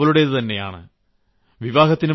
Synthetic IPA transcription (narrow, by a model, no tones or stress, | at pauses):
ɐluɽeðɨt̪ɐnːe̞ja̰ːɳɨ̰ | ʋiʋaːɣɐt̪ːinɨ